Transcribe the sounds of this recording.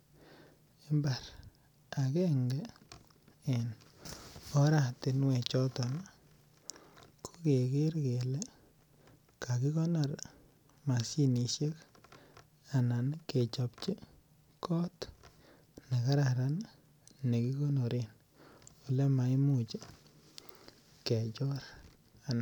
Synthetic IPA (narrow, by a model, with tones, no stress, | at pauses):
e˦mba˨ɾ | a˨ke˦ŋɡɛ˦ | e˨n | ɔ˦ɾa˨tɪ˨nwɛ˨t͡ʃɔ˦tɔ˨na˨ | kʰo̥˦ke˨kɪ˦ɾke˨le˦ | ka˨ki˦kɔ˦na˨ɾ | ma˨si˦ni˨ʃe˦k | a˨na˨nke˨t͡ʃɔ˨pt͡ʃe˦ | kɔ˦t̪ | ne˨ka˦ɾaɾa˦n | ne˨ki˦ko˦no˨ɾi˦n | o˨le˦ma˨i˦mu˦t͡ʃe˦ | ke˨t͡ʃɔ˦ɾ | a˨na˨